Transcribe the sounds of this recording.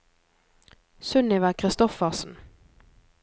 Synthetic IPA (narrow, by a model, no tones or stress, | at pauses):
sʉnɪʋæːkʰʁɪst̪ɔfəʁsn̩